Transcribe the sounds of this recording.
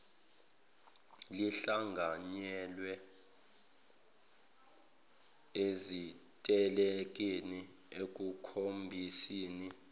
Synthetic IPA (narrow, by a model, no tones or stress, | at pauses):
liɬaŋɡʱaɲɛlwɛ | ezitʼɛlek̬ʼini | ek̬ʼukʰombʱisiːni